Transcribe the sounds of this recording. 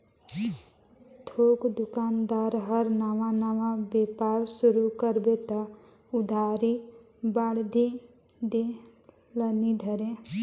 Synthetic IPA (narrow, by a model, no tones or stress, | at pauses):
t̪ʰokd̪ʊkaːnd̪aɾɦəɾnamanaʋãbepawsuɾukəɾbet̪ɔ | ʊd̪ʱaɾi | baɽd̪ʱi | d̪e | lənid̪ʱəɾẽ